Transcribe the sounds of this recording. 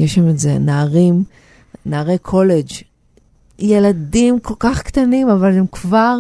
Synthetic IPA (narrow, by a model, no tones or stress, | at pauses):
jeʃamezenaːʁim | naːʁejkʰo̞led͡ʒ | je̞ladimko̞lkaχkt̪animavalemkvaʁ